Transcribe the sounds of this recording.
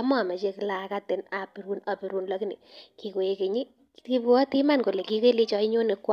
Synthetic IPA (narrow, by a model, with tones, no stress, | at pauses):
a˦mɔ˨ma˨t͡ʃe˧ki˦la˨ka˦te˨na˨pi˨ɾu˦na˨pi˨ɾu˦nlɔ˦kɪ˦ne˨ki˨ko˨e˧ke˨ɲi˦ | ki˦pu˦ɔ˦ti˦ma˦nko˨le˨ki˦ke˦le˦t͡ʃɔ˦i˦ɲo˦ne˨k